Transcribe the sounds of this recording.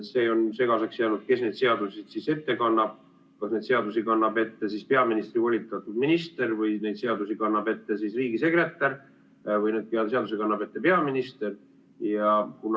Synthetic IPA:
se̞ːo̞nse̞ɡɑseksjeɑːnud̪̥ke̞sne̞jd̪̥se̞ɑd̪̥usid̪̥sise̞t̪ːe̞kɑnːɑb̥̚ | kɑsne̞d̪se̞ɑd̪usikɑnːɑb̥e̞t̪ːesispe̞ɑminist̪ɾivolʲit̪ːˑɑt̪ːˑud̪minist̪e̞ɾvɯjne̞jd̪̥se̞ɑd̪usikɑnːɑbe̞t̪ːe̞sisriːɡise̞kre̞t̪ːˑɑr | vɯjne̞ːd̪̚pɑseɑd̪usekɑnːɑb̥e̞t̪ːe̞pe̞ɑminist̪e̞r | jɑkun

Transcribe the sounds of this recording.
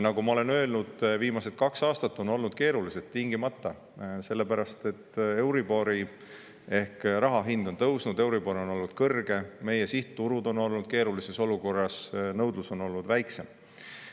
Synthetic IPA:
nɑɡumɑo̞le̞nø̞lnud̪̥viːmɑse̞t̪̚kɑksɑːst̪ɑt̪ːo̞no̞lnud̪̥̚ke̞ːɾulise̞t̪t̪ːiŋɡimɑt̪ːˑɑ | se̞lːepæɾɑst̪e̞t̪ːe̞wɾibo̞ɾi | e̞hkɾɑɦɑɦind̪o̞nt̪ɤwsnud̪̥e̞wɾibo̞ɾo̞no̞lnud̪̥kɤrɡ̥e̞me̞je̞siht̪t̪ːuɾud̪o̞no̞lnud̪̥ke̞ːɾulise̞so̞luko̞rːɑsnɤwd̪̥luso̞no̞lnud̪væjkse̞m

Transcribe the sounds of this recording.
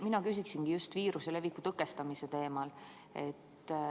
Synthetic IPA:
minɑkys̬ʲiksinɡ̥ijust̪viːɾuse̞le̞vikːut̪ɤkːest̪ɑmise̞t̪e̞ːmɑl | e̞t̪ː

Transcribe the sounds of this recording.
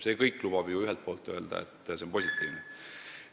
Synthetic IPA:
se̞kɤjkːˑlub̥ɑb̥juyɦɛlt̪̚po̞ːlt̪ːˑø̞eld̪̥ɑ̰ḛt̪ːˑse̞o̞npo̞sʲit̪ˑːiːvne

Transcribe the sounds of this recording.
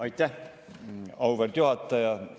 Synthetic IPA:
ɑjt̪ːˑæh | ɑwverd̪̥juɦɑt̪ːˑɑjɑ

